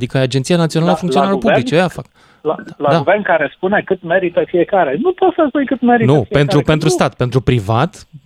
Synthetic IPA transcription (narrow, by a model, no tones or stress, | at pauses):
d̪ikəad͡ʒent̪sijanat̪sionaəfuŋk̪sio̞nalpublit͡ʃeojafak | lalad̪aɡuvernkaɾespune̞kɨt̪me̞ɾit̪əfie̞kaɾenupot̪səzujkɨt̪meɾinufipe̞nɾupe̞nt̪ɾust̪at̪pe̞nt̪ɾupɾivat̪